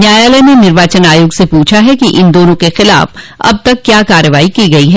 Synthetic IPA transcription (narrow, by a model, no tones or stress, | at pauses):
njaːjaːlɛnenɪɾʋaːt͡ʃənaːjoːɡsepuːt͡ʃʰaɦɛkiʔɪnd̪oːnõkexɪla̰ːf | ɐ̰b̚t̪ɐkːjaːkaːɾəʋaːikiɡɐiɦɛː